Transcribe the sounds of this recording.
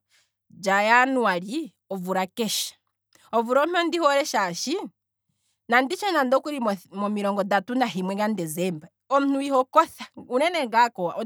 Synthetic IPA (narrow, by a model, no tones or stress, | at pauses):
d͡ʒajanuaɾi | ɔvuɾakɛʃḁ | ɔvuɾɔmɔndihoɾɛʃaʃi | nandit͡ʃɔnandɔkuɾimɔmiɾɔːŋɡɔdatunaɦimwɛɡandɛzɛmba | ɔmun̥uihɔkɔθaunɛnɛŋɡakɔa̰